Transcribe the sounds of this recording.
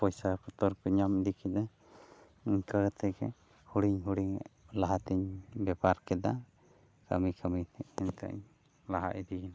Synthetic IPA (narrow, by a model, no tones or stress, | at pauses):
pɔjsapɔt̪ɔɾpɛɲamd̪ikʰid̪ɛ | iɲkəɽt̪ʰɛjkɛ̰ | huɽiɲɦuɽiŋ̰ | laɦat̪iɲbɛpaɾkɛd̪a | kə̰mikʰəmit̪ʰɛʔɛnt̪a̰ɲ | laɦa̰ʔid̪ina